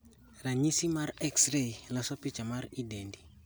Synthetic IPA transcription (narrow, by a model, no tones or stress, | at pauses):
ɾaɲisimaɾɛksɾeilasɔpɪt͡ʃamaɾidɛndi